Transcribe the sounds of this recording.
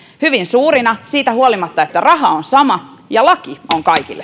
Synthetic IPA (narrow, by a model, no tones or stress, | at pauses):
hyʋinsuːrinɑsiːt̪æhuolimɑt̪ːɑet̪ːærɑɦɑonsɑmɑjɑlɑkioŋkɑikḭlːe